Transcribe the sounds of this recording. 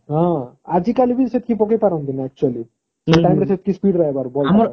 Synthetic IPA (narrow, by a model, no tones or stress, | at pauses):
ɦãad͡ʑikalibʱiset̪̚kʰipɔkepaɾɔnt̪inaɛk̚t͡ʃuali | seʈajmɾeset̪̚kispiɖɾaebaɾbɔl